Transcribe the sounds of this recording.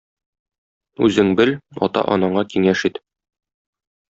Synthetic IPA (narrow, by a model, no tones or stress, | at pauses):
ʉzɘŋbɘlɒ̰t̪ɑ̰ʔɒnɑɴɑkiŋæʃit̪